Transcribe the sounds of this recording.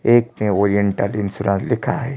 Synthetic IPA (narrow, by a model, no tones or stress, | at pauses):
eːk̚mẽoːɾijəɳʈəlɪnsʊɾãːt̪lɪkʰaɦɛ